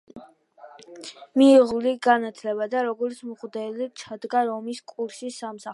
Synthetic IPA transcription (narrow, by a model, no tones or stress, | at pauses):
miːʁuliɡanat̪ʰlɛbad̪aɾɔɡɔɾt̪sʰmχd̪ɛlit͡ʃʰad̪ɡaɾɔmiskʼuɾʃisamsa